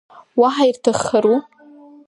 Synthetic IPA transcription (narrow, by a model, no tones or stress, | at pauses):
waħairtʰaχːaɾu